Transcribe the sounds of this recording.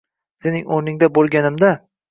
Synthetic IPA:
se̞nɪŋoɾnɪŋd̪abolˠɡʲanɪmd̪a

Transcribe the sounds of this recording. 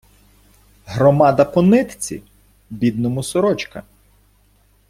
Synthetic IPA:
ɦɾɔmɑd̪ɐpɔnɪt̪t͡sʲḭ | bʲid̪nɔmʊsɔɾɔt͡ʃkɐ̰

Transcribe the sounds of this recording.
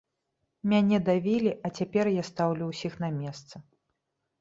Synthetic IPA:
mʲanʲɛd̪avʲilʲiʔɐt͡sʲapʲɛrjast̪awlʲuwsʲixn̪ɐmʲɛst̪sɐ

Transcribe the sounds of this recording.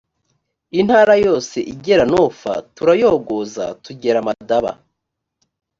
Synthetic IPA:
in̥haːɾajo̞ːse̞ʔiɟe̞ɾanofa̰tuɾajo̞ːɡoza̰tuɟe̞ɾamadaβa̰

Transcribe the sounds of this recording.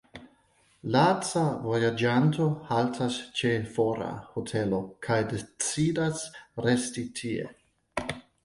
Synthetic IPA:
lat͡savojad͡ʒanto̞haltʰast͡ʃe̞foɾa̰hotʰelo̞kʰajdet͡sidasɾestitʰiḛ

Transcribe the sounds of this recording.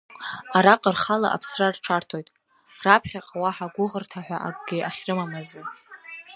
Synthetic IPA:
aɾaqʼərχala̰ʔa̰pʰsrarʈ͡ʂʰartʰo̞jtʼ | rapʰχʲaqʼwaħaɡʷʊʁərtʰaħᶣʷaʔaɡ̚ʼɡʲɪʔaχʲrɨmamazɨ

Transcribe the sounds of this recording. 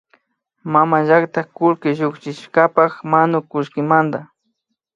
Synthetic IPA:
mamaʒakt̪akʊlkɪʒʊkt͡ʃɪʃkapaxmanʊkʊʃkɪmand̪a

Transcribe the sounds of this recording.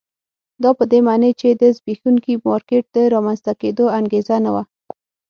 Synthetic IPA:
d̪ɑpəd̪emɑnet͡ʃed̪əzbixuŋkimɑɾkeʈ̚d̪əɾɑmanzt̪aked̪oaŋɡezanawa

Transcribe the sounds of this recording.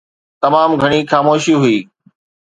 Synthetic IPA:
t̪ɐmaːmɡʱɐɽ̃ixaːmoːʃiɦʊiː

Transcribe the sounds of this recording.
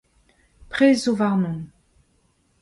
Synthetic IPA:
pχezovaʁnɔ̃

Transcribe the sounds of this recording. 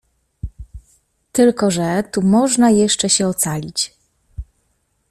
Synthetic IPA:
t̪ɘlkɔʐɛt̪umɔʐnajɛʂt͡ʂɛɕɛɔt̪salʲit͡ɕ

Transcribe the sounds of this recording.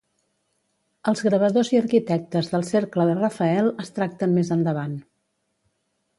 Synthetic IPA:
əlˠzɣɾəβəðoziəɾkit̪ɛk̚t̪əzðəlˠsɛɾkləðərəfəɛlˠəst̪ɾak̚t̪ənmezənd̪əβ̞an

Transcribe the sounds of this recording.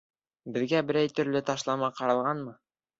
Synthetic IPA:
bɘ̆ðɡæbɘ̆ɾæjt̪ɵ̆ɾlɘt̪ɑʃlˠɑmɑqɑɾɑlˠʁɑnmɤ

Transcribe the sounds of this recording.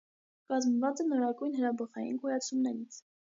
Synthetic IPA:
kɑzməvɑt͡sɛnɔɾɑɡujnɦəɾɑbəχɑjḭnkɔjɑt͡sʰumnɛɾit͡sʰ

